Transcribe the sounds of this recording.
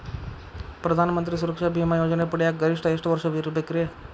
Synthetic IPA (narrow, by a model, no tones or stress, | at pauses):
pɾəd̪ʱanmənt̪ɾis̬uɾəkʃabʱimajod͡ʒnepəɽjaɡəɾɪʂʈəeʂʈʋəɾʃəʋiɾbekɾe